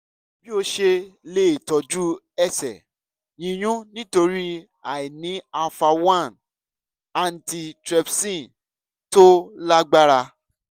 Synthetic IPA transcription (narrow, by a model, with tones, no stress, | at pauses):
bi˦o˧ʃe˧le˨tɔ˨d͡ʒu˦ | ɛ˦˨sɛ̰˨ | jĩ˨˧j̃ũ˦nĩ˦to˧ɾi˦ | a˨i˨nĩ˨˦a˧fa˧wã˦˨n | a˨n̩˨ti˧tɾɛ˧bsĩ˦˨ | to˦la˦ɡ͡ba˦ɾa˧